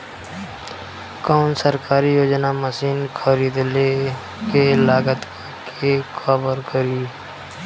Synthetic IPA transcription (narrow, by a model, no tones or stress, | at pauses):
kɔːnsəɾkaːɾijoːd͡ʒnaməsiːnkʰəɾiːd̪le | kelaːɡət̪ | k | ekʰabəɾkəɾiː